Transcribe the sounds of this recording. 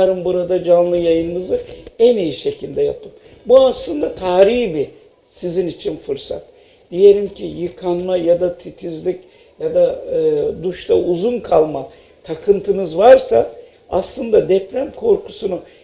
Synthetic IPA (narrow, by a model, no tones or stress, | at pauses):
aɾɯmbuɾad̪ad͡ʒanlˠɯjajɯnmɯzɯænijiʃe̞cʰilʲd̪ɛjap̚ɯmbuaslˠɯnd̪at̪ʰaːɾihbi | sizinit͡ʃʰinfɯɾsa̰t̪ | d̪̥ije̞ɾʲimcʰijɯkʰanmajad̪at̪ʰit̪ʰizlʲic | jad̪aɯd̪uʃt̪ʰauzunkʰalˠma | t̪ʰakʰɯnt̪ʰɯnɯzvaɾsa | aslˠɯnd̪ad̪ɛpɾæmkʰo̞ɾku̥sunu